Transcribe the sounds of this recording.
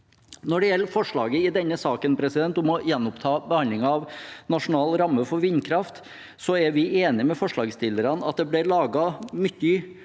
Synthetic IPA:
nɔɖɛjɛlːəfɔʂɭɑːɡəɪd̪ɛnːəsɑːkənpʰɾɛsɪd̪ɛnt̪ɔmɔjɛnːʊpt̪ʰɑːbəhɑnd̪lɪŋɑɑʋnɑʂʊn̩ɑːlɾɑmːəfɔɾʋɪnkʰɾɑft̪ | sɔæɾʋɪʔeːnɪəmɛfɔʂɭɑːɡst̪ʰɪləɾɑnɑ̰t̪̚d̪ɛblɪɾɭɑːɡɑmʏt̪ːʏ

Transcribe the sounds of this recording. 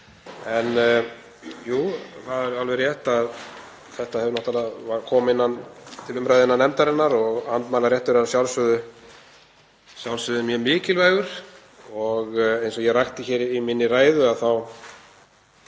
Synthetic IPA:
ɛn | juːθaðɛɾalvɛɾjɛht̪að | θɛht̪ahɛvʏɾnɔht̪alavakʰɔːmɪnːant̪ʰɪlʏmɾajðɪnanɛmt̪aɾɪnːaɾɔɣant̪maːlaɾjɛht̪ʏɾɛasjawlsʏðʏ | sjawlsʏðʏmjœːmɪːcɪlvɛːɣʏɾ̥ | ɔɣejnsɔjɛɣrajxt̪ɪçɛːɾiminːɪraːjðʏaðθaw

